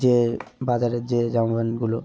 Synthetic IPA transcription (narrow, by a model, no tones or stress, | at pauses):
d͡ʒebad͡ʑaɾed͡ʑed͡ʒãbanɡulo